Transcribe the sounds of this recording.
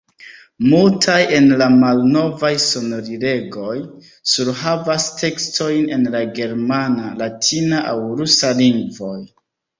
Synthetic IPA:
multʰaje̞nlamalno̞vajso̞no̞ɾiɾe̞ɡo̞j | suɾɦavastʰe̞kstʰo̞jne̞nlaɡe̞ɾmanalatʰinaʔawɾusaliŋɡvo̞j

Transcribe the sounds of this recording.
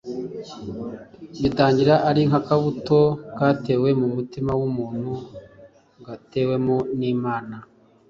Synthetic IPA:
βitaːɲɟiɾaʔaɾiŋ̥hakaβuto̞ɡaːte̞ːwe̞mumutimawumuːn̥hu | ŋɡate̞ːwe̞mo̞niːmaːna

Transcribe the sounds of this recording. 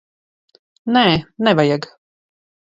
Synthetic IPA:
nɛːnɛvajaɡ

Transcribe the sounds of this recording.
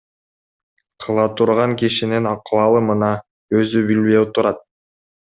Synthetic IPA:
qʰɯlˠɑt̪ʰuɾʁɑŋkiʃininɑqwɑlˠɯmɯnɑ | øzybileut̪uɾɑt̪̚

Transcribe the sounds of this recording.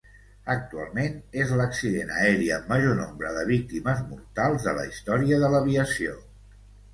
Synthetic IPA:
ək̚t̪ua̰lˠmenezləksiðenə̰ɛɾiəːmːəʒonombɾəðəβ̞ik̚t̪iməzmuɾt̪alˠzðələ̰ist̪ɔɾiəðələβiəsio

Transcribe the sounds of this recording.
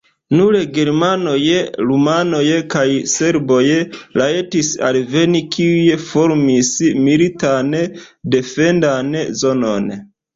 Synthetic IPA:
nuɾeɡe̞ɾmano̞jeɾumano̞jekajse̞ɾbojelaetisa̰lve̞nikʰiujefo̞ɾmismilitande̞fe̞ndanzo̞no̞n

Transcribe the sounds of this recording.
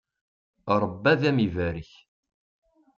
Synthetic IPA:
ɾˤəbːæðæmivæɾiç

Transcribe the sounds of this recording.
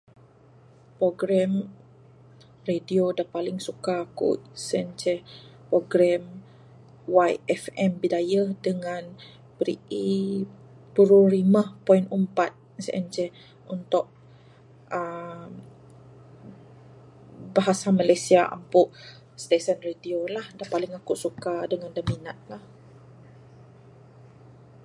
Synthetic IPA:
pɾoɡɾɛm | rediodapalɪŋsukakṵʔsɛnd͡ʒɛpɾoɡɾɛm | wajɛfɛmbidajədəŋãn | bəɾḭʔi | puɾuɾimapɔinəmpat̪̚ | sʔɛnd͡ʒɛ | unt̪ʊʔ̚ | əm | baɦasamalajsiaʔa̰mpʊʔ | st̪esənrediolahdapalɪŋakuʔsukadəŋandəminat̪̚lah

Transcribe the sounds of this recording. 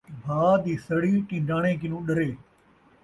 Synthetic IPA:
bʱaːd̪iːsəɽiːʈĩːɖaːɽ̃ẽːk̬ɪnũːɗɐɾeː

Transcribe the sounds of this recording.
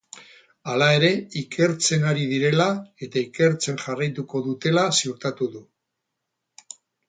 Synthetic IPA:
alae̞ɾe̞ikʰe̞ɾt͡se̞naɾiðiɾe̞lae̞t̪aike̞ɾt͡se̞ŋʝarajt̪uko̞ðut̪e̞lasiuɾt̪at̪uðu

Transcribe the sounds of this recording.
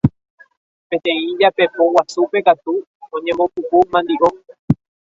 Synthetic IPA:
pẽ̞t̪ẽ̞ĩd͡ʒapepowasupe̞kat̪u | õɲẽ̞mbopukumãnd̪iʔõ

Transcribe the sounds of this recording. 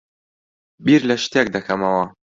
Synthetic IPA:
biɾlɐʃt̪ek̚d̪ɐkʰɐmɐwɐ

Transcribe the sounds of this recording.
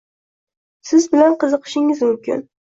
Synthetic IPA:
sɪzbɪlanqʰɨzɨqʰɨ̥ʃɪŋɪzmʊmkʲɪ̰n

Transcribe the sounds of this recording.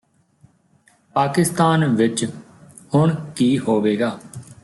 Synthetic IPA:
paːkɪst̪aːnʋɪt͡ʃ | hʊɳkiːhoːʋeːɡaː

